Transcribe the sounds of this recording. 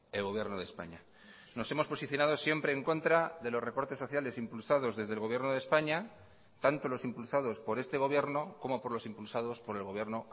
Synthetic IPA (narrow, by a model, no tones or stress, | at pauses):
elɣo̞βje̞ɾnoð̞espa̰ɲa | no̞se̞mo̞spo̞siθjo̞naðo̞sje̞mpɾe̞ːŋko̞nt̪ɾaðe̞lore̞ko̞ɾt̪e̞sːo̞θjale̞simpulsaðo̞zðe̞zðelɣ̞o̞βje̞ɾnoð̞e̞spaɲa | t̪ant̪o̞lo̞simpulsað̞o̞spo̞ɾe̞st̪e̞ɣ̞o̞β̞je̞ɾno̞ko̞mo̞po̞ɾlo̞simpulsað̞o̞spo̞ɾe̞lɣ̞o̞β̞je̞ɾno̞